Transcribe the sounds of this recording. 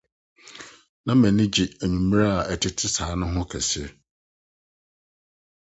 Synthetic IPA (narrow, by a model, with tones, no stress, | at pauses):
nã˦mæ̃˨nɪ̃˦d͡ʑi˨æ˨ɲũ˨mĩ˦ɾa˦a˨ɛ˨tʰɪ˦tʰɪ˦saː˨˦nʊ̃˦ɦʊ̃˦kʰæ˨si˦